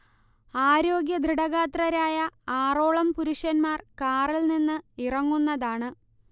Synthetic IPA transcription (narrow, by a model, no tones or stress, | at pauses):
aːɾo̞ːɡjɐd̪ʱriɽɐɣaːt̪rɐɾaːjɐaːroːɭɐmpuɾuʂɐnmaːrkaːrilninːɨirɐŋːunːɐðaːɳɨ